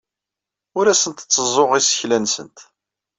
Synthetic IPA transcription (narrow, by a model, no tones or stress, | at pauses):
ʊɾæsənt̪t͡sːəzˤoʁisə̥çlænsə̰nt̪